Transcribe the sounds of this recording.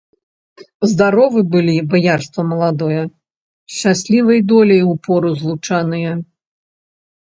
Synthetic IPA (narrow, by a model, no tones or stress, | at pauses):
zd̪aɾɔvɨbɨlʲibajarst̪vɐmɐlˠad̪ɔjɛ | ʃt͡ʃasʲlʲivɐjd̪ɔlʲɛjupɔɾuzlˠut͡ʂanɨjɛ